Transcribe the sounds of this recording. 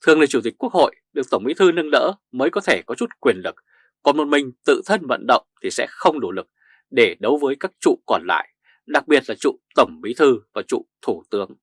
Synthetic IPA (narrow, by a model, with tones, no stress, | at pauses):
t̪ʰɨ˨˩əŋlə˨˩t͡ɕu˧˩t̪ï̟˨˩ku˦˥ək̚ho̰˧˨jɗɨ˨˩ək̚t̪ə˧˩wŋ͡mɓi˨˦t̪ʰɨ˧nɨ˧ŋnə̰ː˧˥ | məː˨˦jkɔ˨˦t̪ʰe˧˩kɔ˨˦t͡ɕu˦˥t̚kwi˨˩ənlɨ˨˩k̚ | kɔ˨˩nmo˨˩t̚mï˨˩ŋ̟t̪ɨ̰˧˨t̪ʰə˧nvə̰˧˨nɗə̰˧˨wŋ͡mt̪ʰi˨˩sɛ̰˧˥xə˧wŋ͡mno˧˩lɨ˨˩k̚ | ɗe˧˩ɗə˨˦wvəː˨˦jkaː˦˥k̚t͡ɕṵ˧˨kɔ˨˩nla̰ː˧˨j | ɗa˨˩k̚ɓi˨˩ət̚laː˨˩t͡ɕṵ˧˨t̪ə˧˩wŋ͡mɓi˨˦t̪ʰɨ˧vaː˨˩t͡ɕṵ˧˨t̪ʰu˧˩t̪ɨ˨˦əŋ